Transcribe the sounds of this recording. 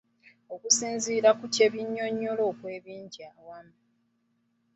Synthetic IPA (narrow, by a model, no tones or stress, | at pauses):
o̞kusiːnziːɾakuce̞βjiɲːo̞ɲːo̞lo̞ːkwe̞ːβiːɲɟiawama